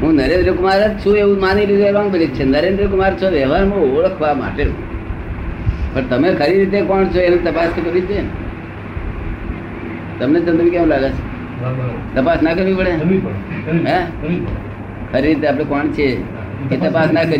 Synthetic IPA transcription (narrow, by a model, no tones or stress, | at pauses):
ɦũnəɾẽnd̪ɾəkʊmaɾət͡ʃʰũeʋũmaniɾid̪elambənit̪t͡ʃʰenəɾẽnd̪ɾək̬ʊmaɾt͡ʃʰoʋɛʋaɾmõoɭəkʰʋama̰ʈeɦṵ̃ | pəɾt̪əmekʰəɾiɾit̪̬ekɔɳt͡ʃʰoenet̪əpast̪ʰikəɾʋit͡ʃe | t̪əmnet͡ʃə̃nt̪umĩkɛ̃ʋ̃laɡat͡ʃʰo | t̪əpasnakəɾʋĩpəɽe | ɦɛ̃ | kʰəɾiɾit̪eaːpɽekɔɳt͡ʃʰe | ket̪əpasnakəɾ